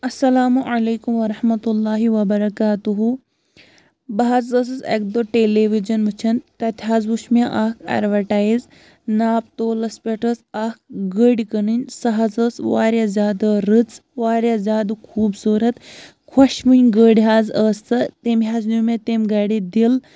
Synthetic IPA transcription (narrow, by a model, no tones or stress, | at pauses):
ɐsːɐlaːmuʕɐleːkumʋɐɾɐhmɐt̪ulːaːɦiʋɐbɐɾɐkaːt̪uɦu | bɐɦazəs̬ɐsḛk̚d̪oʈeleːʋid͡ʒɐnʋɨt͡ʃʰɐnt̪ɐt̪ʰʲɦaːzbuʃmaʔaːkʰɐ̰ːɾʋɐʈaːjz | naːp̚t̪oːlɐspʲeʈəsaːk̚ɡəɽʲikɐnɨnʲsɐɦɐzəːsʋaːɾjazʲaːd̪ɐɾɨt͡sʋaːɾjazʲjaːd̪ɨkʰuːbsuːɾɐt̪ | kʰwɐʃmɨnʲɡəːɽiɦaːzəːst̪ɐt̪emɦaːznumet̪emɡaːɽid̪il